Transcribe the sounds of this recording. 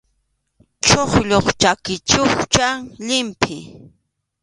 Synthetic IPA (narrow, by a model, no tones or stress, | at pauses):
t͡ʃoχʎoχt͡ʃakɪt͡ʃʊxt͡ʃaŋʎɪmpʰɪ